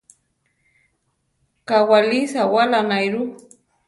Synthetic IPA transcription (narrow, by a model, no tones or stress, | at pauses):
kawalisawalanajɾu